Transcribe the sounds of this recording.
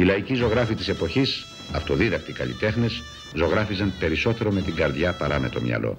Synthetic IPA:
ilɐicizo̞ɣɾɐfit̪ise̞po̞çis | ɐft̪oðiðɐkt̪iikɐ̰lḭt̪e̞xne̞s | zo̞ɣɾɐfizɐmpe̞ɾiso̞t̪e̞ɾo̞me̞t̪iŋɡɐɾðʝɐpɐɾɐme̞̰t̪o̞̰mɲɐ̰lo̞̰

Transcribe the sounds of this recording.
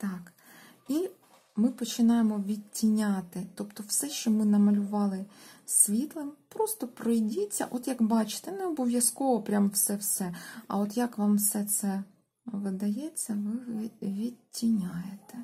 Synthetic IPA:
t̪ɑk | i | mɪpɔt͡ʃɪnɑjemɔʋʲid̚ʲtʲːinʲɑt̪ɪt̪ɔpt̪ɔwsɛʃt͡ʃɔmɪnɐmɐlʲʊʋɑlˠɪsʲʋʲit̪lˠɪmpɾɔst̪ɔpɾɔjdʲit͡sʲːɐ̰ʔɔt̪jɐkbɑt͡ʃɪ̥t̪ɛnɛɔbɔʋʲjɐskɔʋɔpɾʲamwsɛwsɛɐ̰ɔt̪jɐkʋɑmwsɛt̪sɛ | ʋɪd̪ɐjɛt͡sʲːɐʋɪʋʲid̚ʲtʲːinʲajet̪ɛ

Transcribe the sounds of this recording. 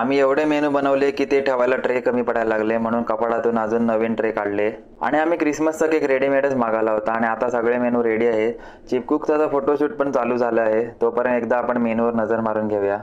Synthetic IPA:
amiːeʋɽemenuːbənəʋlekiːt̪eʈʰeʋajlaʈɾekəmiːpəɽ̤ajllaɡlem̤əɽ̃uːnkəpaɽat̪uːnad͡zuːnːəʋeːnʈɾekaɽle | a̰ɽ̃iamiːkɾisməst͡səkekɾeɽiːmeɽət͡smaɡalaɦot̪aːɽ̃iat̪asəɡɭemenuːɾeɽiːaɦe | t͡ɕip̚kuːkt̪at͡safoʈoɕuːʈ̚pəɳt͡saluːd͡zʱaləaɦet̪opəɾənekd̪aːpəɳmenuʋəɾnəd͡zəɾmaɾuːnɡʱeʋja

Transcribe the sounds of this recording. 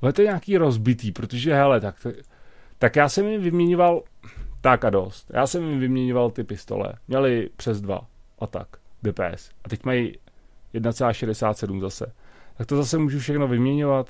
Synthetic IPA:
ɛt̪oɲaːkiːɾo̞zbɪt̪iːpɾot̪oʒɛɦɛlɛt̪akt̪ | t̪akjaːsɛmjɪvɪmɲɛɲovalt̪akado̞st̪jʔa̰ːsɛmjɪvɪmɲɛɲovalt̪ɪpɪst̪o̰lɛ̰mɲɛlɪpr̝̥ɛzdva̰ʔat̪a̰kdɛːpɛ̰ːɛsʔat̪ɛcmajjɛdnat͡sɛlaːʃɛdɛsaːt̪sɛdumzasɛ̰t̪ak̚t̪o̞zasɛmuːʒufʃɛxnovɪmɲɛɲovat̪

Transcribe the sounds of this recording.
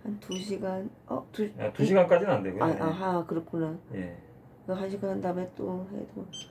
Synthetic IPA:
hantuɕʰiɡan | ʌ̰tuatuɕ̬ʰiɡank͈ad͡ʑinnandeɡuaʔaɦakɯɾʌkʰunajḛ | ɡɯɦanɕʰiɡanɦandamet͈oɦḛdoo

